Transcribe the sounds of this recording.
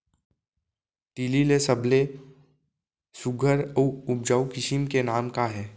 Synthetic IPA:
ʈiːlilesɐbʱle | sʊɡʱəɾəʊb̚d͡ʒaːukɪʃimkenaːmkaɦɛː

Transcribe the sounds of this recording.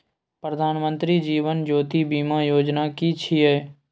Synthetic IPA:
pɾəd̪ʱaːnmə̃nt̪ɾid͡ʒiːʋənd͡ʒoːt̪ibiːmajoːd͡ʒnakit͡ʃʰiɛː

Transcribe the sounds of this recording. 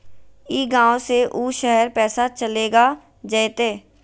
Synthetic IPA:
iːɡãːoseʔuːʃəɦəɾpɛːsat͡ʃəleːɡaː | d͡ʒəjt̪eː

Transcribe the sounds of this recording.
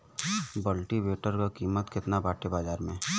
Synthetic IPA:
bəlʈibeːʈəɾkakiːmət̪kɪt̪nabaːʈʰebaːd͡ʒaːɾmẽː

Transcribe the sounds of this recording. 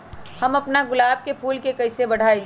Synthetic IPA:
hɐmɐpnaɡʊlaːb̚kepʰuːlkekɐɪsebɐɽ̤aːe

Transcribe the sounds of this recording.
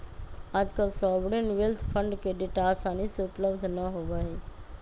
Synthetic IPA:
ad͡ʒkəlsɔbɽenwelt̪ʰpʰə̃ɳɖkeɖeʈaːsaniseʊpləbd̪ʱnəɦobaɛ

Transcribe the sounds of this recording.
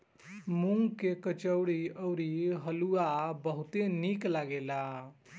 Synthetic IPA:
muŋɡkekət͡ʃəʊɽiəwɾiɦəluabəɦut̪eniklaɡela

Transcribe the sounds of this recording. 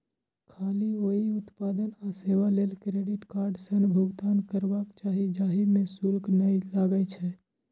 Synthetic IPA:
kʰaːlioiʊt̪paːd̪ənaseːwaleːlkɾeːɖɪʈkaːɾɖsənbʱʊɡt̪aːnkəɾbakt͡ʃaːɦid͡ʒaːɦimẽsʊlknəilaːɡət͡ʃʰɛː

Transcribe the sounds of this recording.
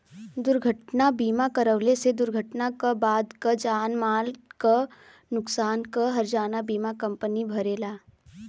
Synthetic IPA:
d̪ʊɾɡʱəʈnabiːmakɐɾəʋlesed̪ʊɾɡʱəʈnakabaːd̪kad͡ʒaːnmaːlka | nʊksaːnkaɦɐɾd͡ʒaːnabiːmakɐ̃mpənibʱɐɾeːlaː

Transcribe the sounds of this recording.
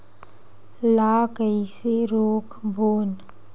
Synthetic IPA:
laːkəiseɾoːkʰbʱoːn

